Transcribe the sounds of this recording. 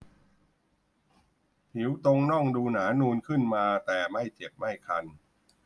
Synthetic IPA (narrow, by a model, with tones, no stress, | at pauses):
pi˩˦wt̪o˧ŋnɔ˥˩ŋduː˧naː˩˦nuː˧nkʰɯ˥˩nmaː˧t̪ɛː˨˩ma˥˩jt͡ɕe˨˩p̚ma˥˩jkʰa˧n